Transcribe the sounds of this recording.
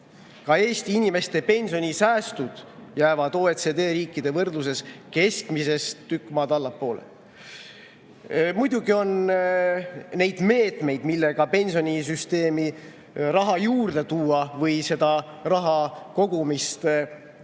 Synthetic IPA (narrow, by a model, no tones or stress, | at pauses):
kɑe̞ːst̪iinʲime̞st̪e̞pe̞nʲsio̞nʲisæːst̪ud̪̥jæːvɑd̪o̞ːet̪sed̪e̞ːɾiːkːˑid̪e̞vɤrd̪lus̬e̞ske̞skmise̞st̪ːykˑːmɑd̪ɑlːɑpːo̞ːlḛ | mujd̪̥uɡio̞n | ne̞jd̪̥me̞ːt̪ˑme̞jd̪̥milːeɡ̥ɑpe̞nʲsio̞nʲis̬yst̪e̞ːmi | rɑɦɑjuːrd̪e̞t̪uːɑvɤjse̞d̪̥ɑ | rɑɦɑko̞ɡ̥umist̪